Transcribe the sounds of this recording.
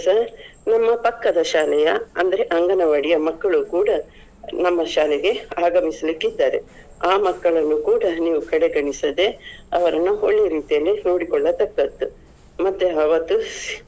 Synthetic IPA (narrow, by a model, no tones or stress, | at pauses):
sɐɾnɐmːɐpɐkːɐd̪ɐʃaːlɛjɐɐnd̪ɐɾe̞ʔɐŋɡɐnɐʋɐɽijɐmɐkːɐɭukuːɽɐ | nɐmːɐʃaːlɛɡe̞aːɡɐmisɐlikːid̪ːaːɾḛ | aːmɐkːɐɭɐnːukuːɽɐniːʋukɐɽe̞ɡɐɳisɐd̪e̞ɐʋɐɾɐnːuoɭːeɾiːt̪ijɐlːino̞ːɽikɔɭːɐt̪ɐkːɐt̪ːu | mɐt̪ːuɐʋɐt̪ːu